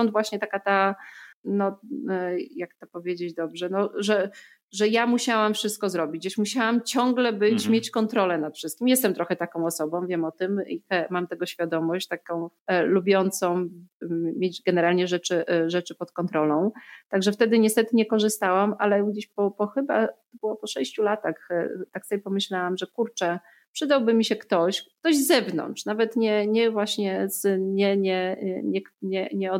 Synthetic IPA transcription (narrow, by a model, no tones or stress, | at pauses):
ɔnd̪vwaɕɲɛt̪akat̪a | nɔ | jakt̪ɔpɔvʲjed͡ʑed͡ʑd̪ɔbʐɛnɔʐɛ | ʐɛjamuɕawamfʂɘst̪̚kɔzɾɔbʲid͡ʑd͡ʑeɕmuɕawamt͡ɕɔŋɡlɛbɘt͡ɕmʲjet͡ɕkɔnt̪ɾɔlɛnat̪fʂɘst̪kʲimjɛst̪ɛmt̪ɾɔxɛt̪akɔ̃w̃ɔsɔbɔ̃w̃vʲjɛmɔt̪ɘmixɛmamt̪ɛɡɔɕfʲjad̪ɔmɔɕt͡ɕt̪akɔ̃w̃ | lubʲjɔnt̪sɔ̃w̃ | mʲjed͡ʑɡɛnɛɾalɲɛʐɛt͡ʂɘʐɛt͡ʂɘpɔt̪kɔnt̪ɾɔlɔ̃w̃t̪aɡʐɛft̪ɛd̪ɘɲɛst̪ɛt̪ɘɲɛkɔʐɘst̪awamʔalɛɡd͡ʑeɕpɔpɔxɘbat̪ɔbɘwɔpɔʂɛɕt͡ɕulat̪axt̪aksɔbʲjɛpɔmɘɕlawamʐɛkuɾt͡ʂɛ | pʂɘd̪awbɘmʲiɕɛkt̪ɔɕkk̚t̪ɔʑzɛvnɔ̰nt͡ʂnavɛt̪ɲɛɲɛvwaɕɲɛz̥ɲɛɲɛɲɛɲɛɲɛɔ